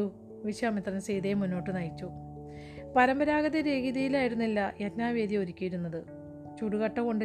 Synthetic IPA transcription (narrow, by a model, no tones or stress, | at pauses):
u | ʋiɕaːmit̪rɐnsejd̪emunːo̞ːʈːɨnɐjit͡ɕːu | pɐɾɐmbɐɾaːɣɐðɐɾe̞ːɡiðɐjilaːjiɾunːilːɐʔetnaːʋe̞ːd̪jɐo̞ɾikʲːijiɾunːɐðɨ | t͡ɕuɽuɣɐʈːɐko̞ɳɖɨ